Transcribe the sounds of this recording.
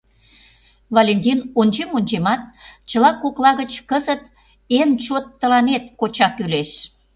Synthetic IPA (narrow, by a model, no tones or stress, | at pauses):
volʲenʲt̪ʲinonʲt͡ɕemonʲt͡ɕemɑt̪̚t͡ɕəlɑkoklɑɣət͡ɕkəzət̪ | ent͡ɕot̪ːəlɑnet̪̚kot͡ɕɑkyleʃ